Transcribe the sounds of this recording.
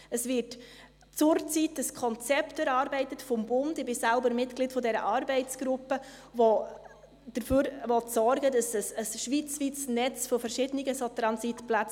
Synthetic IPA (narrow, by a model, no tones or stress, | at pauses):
əsvɪt | t͡sʊɾt͡sitəskʰɔnt͡sɛptɛɾɑːɾbɛɪtətfɔmbʊndɪbɪsalbəɾmɪtɡlitfɔdɛɾə̰ʔɑːɾbɛɪt͡sɡ̥ɾʊpːəvɔ | d̥əɾføːɾvɔtsɔɾɡədɑsəsəsʃʋit͡sʋit͡snɛt͡sfɔfəɾʃɪdəniɡəsotɾɑnsitplat͡s